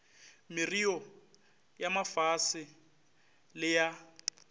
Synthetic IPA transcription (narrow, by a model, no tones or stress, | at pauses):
mɪrijɔ | jamafasɪ | lɪja